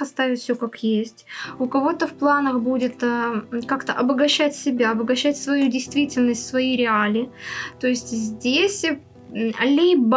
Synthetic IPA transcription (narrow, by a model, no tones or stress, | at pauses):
ɐst̪avʲɪtʲfsʲɵkakjesʲtʲʊkɐvo̞t̪əfplˠanəxbudʲɪt̪əkakt̪əʔɐbəɡɐɕːætʲsʲɪbʲaɐbəɡɐɕːætʲsvɐjudʲɪjst̪vʲitʲɪlʲnəsʲtʲsvɐjijɾʲɪalʲɪt̪o̞ɪsʲtʲzʲdʲesʲ | lʲibə